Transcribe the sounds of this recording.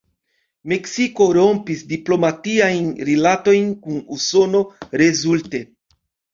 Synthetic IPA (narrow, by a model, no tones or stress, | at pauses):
meksiko̞ɾo̞mpisdiplo̞mat̪iajnɾilat̪o̞jnkunuso̞no̞ɾezulte